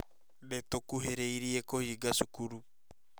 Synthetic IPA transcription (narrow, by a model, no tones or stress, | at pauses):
netokuɦeɾeiɾiekohiɡaʃukuɾu